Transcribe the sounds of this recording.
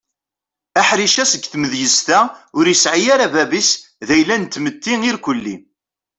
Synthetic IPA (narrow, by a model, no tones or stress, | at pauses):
æħɾiʃæsəɡθməðjəst̪æʊɾjəsʕijaɾævæbis | ðæjlːænt̪ːmət̪ːiŋiɾkʷəlːḭ